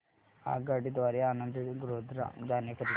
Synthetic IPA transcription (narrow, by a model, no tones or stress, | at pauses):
a̰ːɡaːɖid̪ʋaːɾiaːnɐnd̪ɐɡɾoːd̪ɾa̰d̪aːnjɐkɐɾi